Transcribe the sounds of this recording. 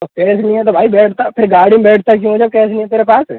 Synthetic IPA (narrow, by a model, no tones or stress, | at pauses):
ɐkɛːsnĩɦɛt̪obʱaːibɛːʈʰt̪apʰɪɾɡaːɽĩbeːʈʰt̪ak̬jũːɦoːd͡ʒakɛːsnĩɦɛ̃t̪eːɾepaːs